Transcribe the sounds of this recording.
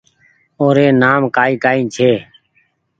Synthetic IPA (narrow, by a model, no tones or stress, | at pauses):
oːɾeːnaːmkaːiːkaːĩːt͡ʃʰeː